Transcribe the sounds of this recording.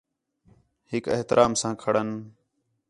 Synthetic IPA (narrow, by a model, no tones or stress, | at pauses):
hɪkḛɦt̪ɪɾʔaːmsãːkʰəɽən